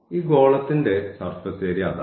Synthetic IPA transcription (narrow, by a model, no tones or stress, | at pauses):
iːɡo̞ːɭɐt̪ːinde̞sɐrfɐseːɾijaːðɐ̰